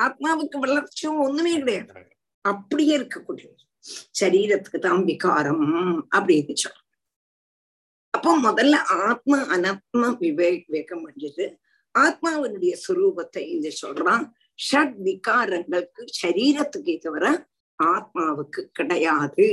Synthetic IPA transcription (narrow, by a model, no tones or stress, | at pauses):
aːt̪̚maːʋɨkːɨʋɛɭɐrt͡ɕːoonːɨmeːkɪɽɐjaːt̪ː | ɐpːɐɽijeɾkːɨkːuɽi | ɕɐɾiːɾɐt̪ːɨ̥kːɨt̪aːnʋikaːɾɐmɐpːɐɽijðit͡ɕːɐ̰ | ɐpːoːmɔðɐlʔaːt̪̚mɐʔɐnɐt̪̚mɐʋiʋeːʋeːɣɐmʋeɳɖiɾɨ | aːt̪̚maːʋɐnuɽɐjɐswɐɾuːbɐt̪ːɐind̪ɐt͡ɕːo̰lra | ʂɐʈ̚ʋikaːɾɐŋɡɐɭkːɨɕɐɾiːɾɐt̪ːɨkːejt̪ːɐʋɐrɐ | aːt̪̚maːʋɨkːɨkiɽɐjaːðɨ